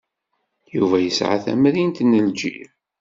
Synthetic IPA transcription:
juvæjəsʕa̰θæ̰mɾint̪nːəld͡ʒḭɾ

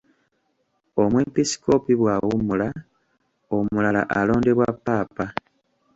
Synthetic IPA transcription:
o̞mwe̞mpisi̥ko̞piβwaːwumula | omulala̰ʔalo̞ːndeβwapːaːpa

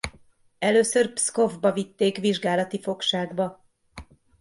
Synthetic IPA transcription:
ɛløːsørpsko̞vbɒvit̪ːeːkʋiʒɡaːlɒt̪ifo̞kʃaːɡbɒ

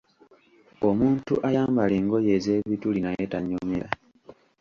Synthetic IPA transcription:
omuːntuʔajaːmbaleːŋɡo̞jeːze̞ːβitulinajetaɲːomeɾa

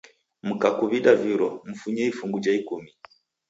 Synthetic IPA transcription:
m̩kakuβiɗaviɾɔm̩fuɲɛifuŋɡud͡ʒaikumi

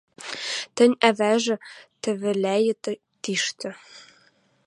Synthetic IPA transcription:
t̪ɘ̆nʲævæʒɘ̆t̪ɘ̆βɘ̆lʲæjɘ̆t̪ | t̪iʃt̪ɘ̆

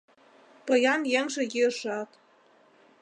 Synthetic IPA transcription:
pɤ̆jɑnjeŋʒĕjiʃɑt̪

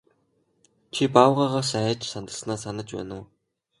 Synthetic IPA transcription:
t͡ɕʰipaːwʁaːʁaːsæːt͡ɕsant̪ə̆ɮsnaːsanə̆t͡ɕpæ̰ːnʊː

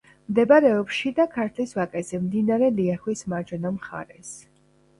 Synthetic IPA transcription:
md̪ɛbaɾɛɔpʃid̪akʰaɾt̪ʰlisvakʼɛzɛmd̪inaɾɛliaχwismaɾd͡ʒɔnamχa̰ɾɛs

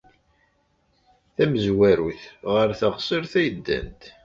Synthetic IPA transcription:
θæməzwæɾuθʁəɾθəʁsˤəɾθæjəd̪ːæ̰nt̪

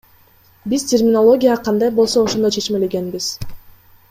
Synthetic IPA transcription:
biz̥tʲʰermʲɪnolˠo̞ɡʲijaqʰɑnd̪ɑjbolˠso̞oʃond̪ojt͡ʃʰe̞t͡ʃme̞le̞ɡe̞nbiz̥

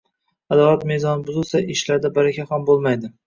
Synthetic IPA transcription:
ad̪ɒlˠat̪mezɒnɪbʊzɪlˠsaɪʃlaɾd̪abaɾakʲʰahambolˠmajd̪ɪ

